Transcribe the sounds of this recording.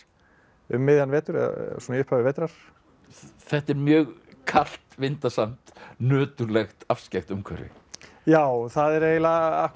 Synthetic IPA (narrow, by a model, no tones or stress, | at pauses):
ʏmːɪːðjanvɛːt̪ʏɾɛ̰ða̰sunjʏhpʰavɪvɛːt̪ɾaɾ̥ | θɛht̪ɛɾmjœːɣkʰal̥t̪vɪnt̪asam̥t̪nœːt̪ʏɾlɛxt̪afscɛxt̪ʏmkʰɛ̰ɾːɪ̰ | jaːwθaðɛɾeːjlaahk